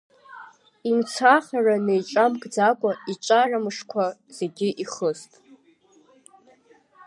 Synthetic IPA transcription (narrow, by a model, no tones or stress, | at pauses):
imt͡sʷʰaχaranejʈ͡ʂʼamkʼd͡zakʷʼait͡ʃʷʼaramʂkʷʰaz̥eɡʲiʔiχəstʼ